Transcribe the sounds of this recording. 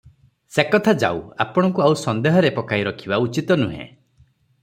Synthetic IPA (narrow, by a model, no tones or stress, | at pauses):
sekɔt̪ʰad͡ʒa̰wa̰pɔɽ̃ɔkuawsɔnd̪eɦɔɾepɔkaiɾɔkʰibaut͡ʃit̪ɔnuɦḛ̃